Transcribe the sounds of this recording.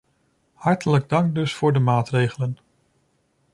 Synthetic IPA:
hɑɹtələɡ̚dɑŋɡ̚dɵsfʊːɹdəmaːtrejχələn

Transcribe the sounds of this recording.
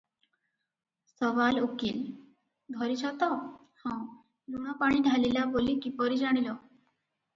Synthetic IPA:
sɔʋalukil | b̪ʱɔɾit͡ʃʰɔt̪ɔ | hɔ̃w | luɽ̃ɔpaɽ̃iɖʱalilabolikipɔɾid͡ʑaɽ̃ilɔ

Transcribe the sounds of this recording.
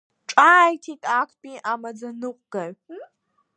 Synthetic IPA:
ʈ͡ʂʼaːjtʰitʼaːkʷʰpʼiʔamɐd͡zɐnɨqʷʼɡ̥ɐr

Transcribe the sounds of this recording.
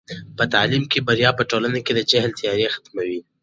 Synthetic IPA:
pət̪alimkebaɾijɑpəʈolanaked̪ət͡ʃahlt̪jɑɾexḁt̪mawi

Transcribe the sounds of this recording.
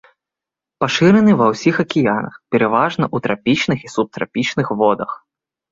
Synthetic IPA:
paʂɨɾɛnɨvɐwsʲixɐkʲijanɐ̰xpʲɛɾɛvaʐnɐʔut̪ɾapʲit͡ʃnɨxisup̚t̪ɾa̰pʲit͡ʃnɨxvɔd̪ɐx

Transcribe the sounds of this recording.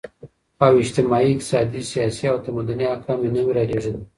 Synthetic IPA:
awɪʃt̪ɪmɑiɪkt̪ɪ̥sɑd̪isijɑsiawt̪amud̪aniakɑminamiɾaleʐən

